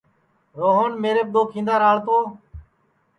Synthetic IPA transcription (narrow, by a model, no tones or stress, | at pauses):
ɾoːɦənmeːɾeːb̚d̪oːkʰĩnd̪aːɾaːɭt̪oː